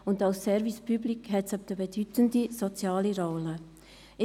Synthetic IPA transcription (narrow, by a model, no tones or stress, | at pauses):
ʊndɑlsːɛɾvispʰyblikɦɛtsab̚dəbɛd̥ytəndizɔt͡sjaːliɾɔːlə